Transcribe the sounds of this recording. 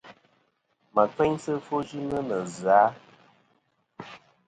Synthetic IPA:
mə˨k͡pɛ˦ɲsə˦fo˦d͡ʒi˦nə˦nə˨za˨˦

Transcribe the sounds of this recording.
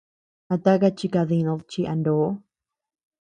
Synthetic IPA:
a˧t̪a˦ka˧t͡ʃi˧ka˧ði˧nã˧lt͡ʃi˧ʔa˧ndo˨˦

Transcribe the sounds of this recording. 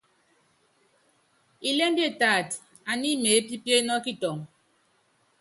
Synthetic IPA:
i˦le˦n˦di˦e˦˨ta˨t | a˨ni˦me˨˦pi˦pje˦nɔ˦ki˦tɔ˨ŋ

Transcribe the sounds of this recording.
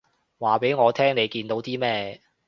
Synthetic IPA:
waː˨pe˨˥jŋɔː˨˧t̪ʰɛː˥ŋne˨˧jkiː˧nt̪o˨˥wt̪iː˥mɛː˥

